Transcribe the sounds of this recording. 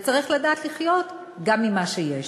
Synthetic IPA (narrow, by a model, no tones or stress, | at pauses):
t͡saʁiχladaːt̪liχjo̞t̪ | ɡamːimaʃejeʃ